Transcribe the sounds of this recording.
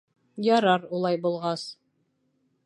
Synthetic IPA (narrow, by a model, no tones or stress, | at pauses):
jɑɾɑɾulˠɑjbulˠʁɑs